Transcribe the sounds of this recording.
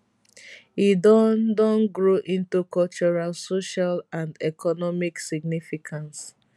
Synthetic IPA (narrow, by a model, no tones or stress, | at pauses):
idɔdɔ̃nɡɹoʔĩntukɔlt͡ʃɔɹalsoʃalãndɛkʰɔnɔmiksiɡ̚nifikʰãns